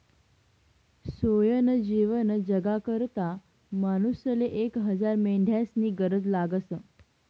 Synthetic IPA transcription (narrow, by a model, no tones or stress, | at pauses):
sojənd͡ʑiʋənd͡ʑəɡakəɾt̪a | manusəleʔekɦəd͡zaɾmeɳɖʱjasniːɡəɾəd͡zlaɡəsə